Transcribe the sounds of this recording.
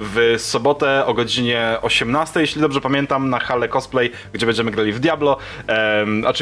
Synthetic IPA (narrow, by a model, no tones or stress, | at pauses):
vsɔbɔt̪ɛɔɡɔd͡ʑiɲɛɔɕɛmnast̪ɛjeɕlʲid̪ɔbʐɛpamʲjɛnt̪amnaxalɛkɔsplɛj | ɡd͡ʑɛbɛɲd͡ʑɛmɘɡɾalʲivd̪ʲjablɔ | ɔ̰t͡ʂ